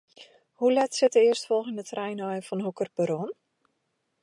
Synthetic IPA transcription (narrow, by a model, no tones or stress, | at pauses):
hulɛtsɪtəɪərstfɔlˠɣəndətrɛjnɔjəfɔnhukərpəɾon